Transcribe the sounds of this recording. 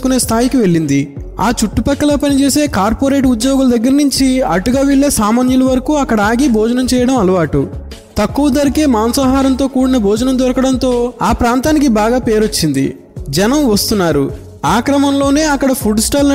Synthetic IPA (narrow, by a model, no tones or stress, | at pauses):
kune̞ːst̪ʰaːjikiʋe̞ɭːind̪i | aːt͡ʃuʈːupɐkːɐlɐːpɐnit͡ʃe̞ːse̞ːkaːɾpoːɾeːʈ̬ud̪jɔːɡulɐd̪ɐɡːɐɾɐnuɲt͡ʃiɐʈuɡaːʋeɭːe̞ːsaːmaːnjulɐʋɐɾɐkuːɐkːɐɽɐaːɡibɔːd͡ʒɐnɐmt͡ʃɛːjɐɽɐmɐlɐʋaːʈu | t̪ɐkːuʋɐd̪ɐɾikeːmaːnɐsaːɦaːɾɐnt̪o̞ːkuːɽinɐbʱɔːd͡ʒɐnɐmd̪ɔɾɐkɐɽɐnt̪o̞ːaːpɾaːnt̪aːnikibaːɡaːpe̞ːɾot͡ʃːind̪ḭ | d͡ʒɐnɐmʋɐst̪unːaːɾu | aːkɾɐmɐmlo̞ːne̞ːɐkːɐɽɐpʰuɖsʈaːlnɐ